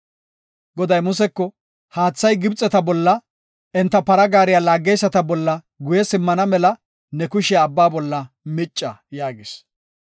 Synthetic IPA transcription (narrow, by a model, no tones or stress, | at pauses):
ɡɔd̪ɐjmʊsɛkːɔ | haːt͡sːɐjɡɪbt͡sʼːɛt̪ɐbɔlːɐ | ɛnt̪ːɐpɐɾɐɡaːɾɪjalaːɡːɛjsːɐt̪ɐbɔlːɐ | ɡʊjɛsɪmːɐnɐmɛlɐ | nɛkʊʃɛɐbːaːbɔlːɐ | mɪt͡ʃʼːɐjaːɡɪs